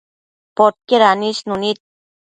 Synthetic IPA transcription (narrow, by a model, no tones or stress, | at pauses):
pot̪̚keɾaniʃnunit̪̚